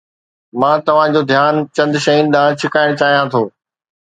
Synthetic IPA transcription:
mãːt̪ɐʋ̤ãd͡ʑoːd̪ʱjaːnt͡ɕɐ̃nd̪ʃɐinɪ̆d̪ãːt͡ɕʰɪkaːɪɽ̃t͡ɕaːɦijãt̪ʰoː

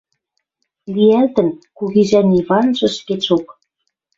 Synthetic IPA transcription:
lijælt̪ə̆nkuɣizæniβɑnʒɤ̆ʃket͡ɕok

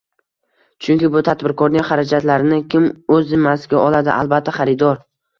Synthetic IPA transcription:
t͡ʃʰʊŋkʲɪbʊt̪ʰat̪bɪɾkʰɒɾnɪŋχaɾad͡ʒat̪laɾɪnɪkʲʰɪmɵzɪmːasɪɡʲaʔɒlˠad̪ɪʔa̰lˠbat̪ʰːaχaɾɪd̪ɒɾ

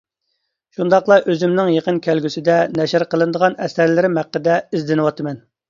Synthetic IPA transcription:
ʃund̪ɑqlˠɑʔøzymnɪŋjeqənkʲʰælɡʲysɪd̪ɛnɛʃɪɾqəlˠɨnd̪əʁɑnɛsæɾlɪɾɪmhæqːəd̪ɛizd̪ɪnɨwɑt̪ʰɨmɛn

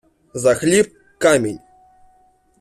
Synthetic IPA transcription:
zaxlʲip̚ | kamʲenʲ

